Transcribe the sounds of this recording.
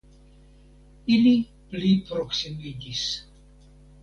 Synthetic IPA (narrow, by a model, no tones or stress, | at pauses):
ili | plipɾoksimid̪is